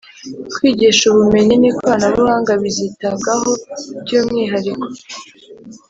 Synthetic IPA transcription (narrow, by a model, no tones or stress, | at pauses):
kwiːɟiʃuβume̞ɲinikβaːnaβuhaːŋɡaβizitaɡahobɟuːmŋiːɦaɾiko̥